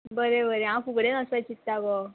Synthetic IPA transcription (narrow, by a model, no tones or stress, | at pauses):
bəɾebəɾeãfuɡɽenəsat͡ɕit̪ːaɡɔ